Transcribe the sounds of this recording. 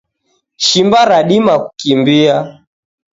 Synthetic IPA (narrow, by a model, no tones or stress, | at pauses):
ʃimbaɾaɗimaku̥kimbia